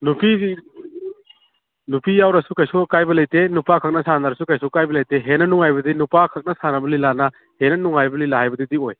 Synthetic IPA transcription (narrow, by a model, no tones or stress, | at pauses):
nupi | nupijawɾɐsukajsukajbɐlɐjtenupakʰɐk̚nɐsandaɾɐsukajsukajbɐlɐjteɦenɐnuŋajbɐdinupakʰɐk̚nɐsanɐbɐlilanɐ | henɐnuŋajbɐlilaɦajbɐdidioj